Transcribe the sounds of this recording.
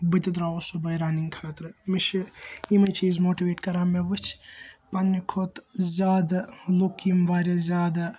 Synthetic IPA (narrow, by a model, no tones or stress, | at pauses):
bɨt̪id̪ɾaːosobɐjɾaːniŋkʰaːt̪ɾɨmiʃiimet͡ʃʰiːzmoːʈiʋeːʈkɐɾaːmebɨt͡ʃʰpanːikʰot̪zʲaːd̪ɐlokimʋaːɾʲezʲaːd̪ɐ